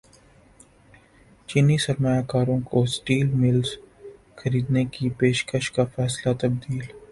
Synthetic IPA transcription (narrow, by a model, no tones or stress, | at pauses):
t͡ʃɪnisɐɾmajakaːɾõkosʈiːlmɪlz | xɐɾiːd̪nekipeːʃkəʃkafɛːslat̪ɐb̚d̪iːl